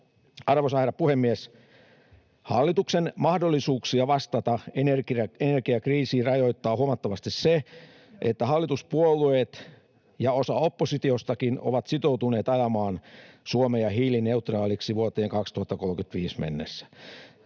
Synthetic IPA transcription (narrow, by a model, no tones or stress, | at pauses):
ɑrʋosɑherɑpuhemːiæs | hɑ̰lːit̪uksenmɑhdolːisuːksiɑʋɑst̪ɑt̪ɑenerkienerkiɑkriːsiːrɑjoit̪ːɑːhuɑmɑt̪ːɑʋɑst̪isse | ʔet̪ːæhɑlːit̪uspuolueːt̪ | jɑosɑopːosit̪iost̪ɑkino̰ʋɑt̪sit̪owt̪uneːt̪ɑjɑmɑːnsuomejɑɦiːline̞ut̪rɑːliksiʋuot̪eːŋkɑkst̪uhɑt̪ːɑkolkyt̪ʋiːsmḛnːḛsːæ̥